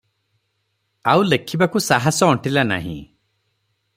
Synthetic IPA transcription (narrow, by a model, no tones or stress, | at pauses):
aulekʰibakusaɦasɔɔʈilana̰ɦḭ̃